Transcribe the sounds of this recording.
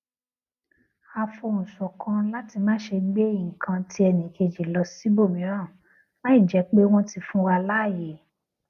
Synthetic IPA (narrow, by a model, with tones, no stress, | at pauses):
a˧fo˧˨ũ˨sɔ̃˨kʰã˧la˦ti˧mãː˦ʃe˧ɡ͡be˦jĩ˨kʰã˧ti˧˦ɛ˧nĩ˨ke˧˨d͡ʒe˨lɔ˧si˦bo˦˨mĩ˨˦ã˦˨ | lã˦i˦˨d͡ʒɛ˨˧˦k͡pe˦w̃ɔ̃˦ti˧fũ˦wa˧la˦˨je˨˦